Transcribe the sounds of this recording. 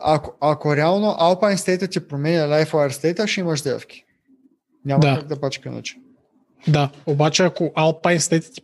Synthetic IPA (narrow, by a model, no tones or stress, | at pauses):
a̰koʔakoɾɛalˠnoʔalˠpajnst̪ɛt̪ət̪ipɾomɛnʲɐlajfoaɾst̪ɛt̪əʃiimɐʃd̪ɛfkʲi̥ | nʲamd̪aak̚d̪ɐpat͡ʃkʲɛno̰t͡ʃi̥ | d̪aobat͡ʃɛakoʔalˠpajnst̪ɛt̪t̪i̥